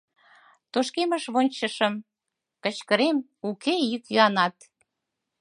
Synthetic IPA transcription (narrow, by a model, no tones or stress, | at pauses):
t̪oʃkeməʃβonʲt͡ɕəʃəm | kət͡ɕkəɾem | ukejikjyɑnɑt̪